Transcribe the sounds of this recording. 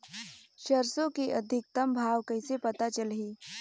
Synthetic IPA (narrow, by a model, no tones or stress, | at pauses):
ɕəɾsokiʔəd̪ʱik̚t̪əmbʱaʋkəjsepət̪at͡ɕəlɦiː